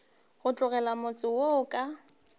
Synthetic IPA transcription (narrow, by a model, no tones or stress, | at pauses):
ɣʊt͡ɬʼʊɣɛlamʊt͡sʼɪwokʼa